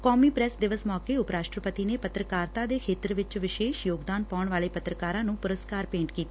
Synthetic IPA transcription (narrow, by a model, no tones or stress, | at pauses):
kɔːmiːpɾɛsd̪ɪʋəsmɔːkeːʊpɾaːʃʈɾəpət̪iːneːpət̪ɾəkaːɾt̪aːd̪eːkʰeːt̪ɾʋɪt͡ʃʋɪʃeːʃjoːɡd̪aːnpaːʊɳʋaːleːpət̪ɾəkaːɾãːnũːpʊɾəskaːɾpẽːɳʈkiːt̪aː